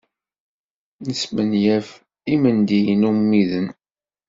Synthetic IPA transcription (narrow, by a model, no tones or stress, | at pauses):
nəsmənjæf | imənd̪ijənumːiðən